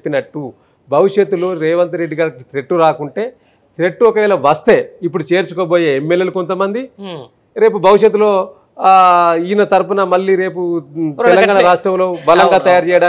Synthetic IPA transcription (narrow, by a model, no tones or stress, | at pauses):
pːinɐʈːu | bʱɐʋiʂet̪ːulo̞ːɾeːʋɐnt̪ɐɾe̞ɖːiɡaːɾkit̪ɾe̞ʈːuɾaːkuɳʈe̞ː | t̪ɾe̞ʈːuɔkɐʋɛːlɐʋɐst̪e̞ip̬ːuɽut͡ʃe̞ːɾt͡ʃukoːboːjeːemːeljelukont̪ɐmɐnd̪i | ɾe̞ːp̬ubʱɐʋiʂjet̪ːulo̞ː | iinɐt̪ɐɾupɐnɐmɐlːiːɾe̞ːput̪ɛlɐŋɡaːɳɐɾaːʂʈɾɐmlo̞ːbɐlɐŋɡaːt̪ɐjaːɾt͡ʃɛːjɐɽaː